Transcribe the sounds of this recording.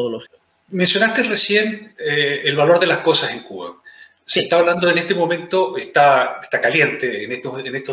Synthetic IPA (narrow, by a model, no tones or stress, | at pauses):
oðolo | me̞nsjo̞nast̪eresje̞neelβalo̞ɾðe̞lasko̞sase̞ŋkṵβa̰ | set̪aβaβland̪o̞enet̪emo̞mẽ̞nt̪oest̪aest̪akalje̞nt̪eːnet̪oenest̪o